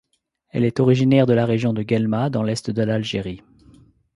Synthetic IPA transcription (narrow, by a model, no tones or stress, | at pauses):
ɛ̰lɛt̪ɔʁiʒinɛʁd̪əlaʁeʒjɔ̃d̪əɡɛlmad̪ɑ̃lɛst̪d̪əlalʒeʁi